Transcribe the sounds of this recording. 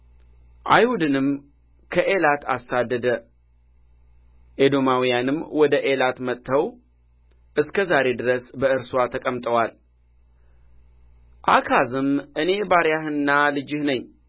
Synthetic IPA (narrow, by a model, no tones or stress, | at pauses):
ʔa̰jhud̪ɨnɨm | kʰəʔelat̪ʰa̰sad̪ːəd̪ə | ʔed̪o̞mawijanɨmwɔd̪əʔe̞lat̪mət̪ʰʼːəw | ʔɨskʰəzaɾe̞d̪ɨɾəsbəɨɾswat̪ʰəkʼəmt̪ʼəwal | ʔakʰazɨmʔɨne̞baɾjahɨnːalɨd͡ʒɪhnəɲː